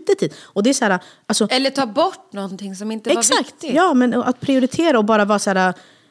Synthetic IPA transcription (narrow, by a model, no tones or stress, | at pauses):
t̪ːət̪ʰiːd̪ɔd̪ɛæɾsæːɾaʔalsɔɛlːəʈʰɑːbɔʈːnɔnt̪ʰɪŋsɔmɪnt̪əɛaɾsvakt̪ɪjɑːmɛnɔʔa̰t̪̚pʰɾɪʊɾɪt̪ʰeːɾaɔbɑːɾavɑːɾsæːɾa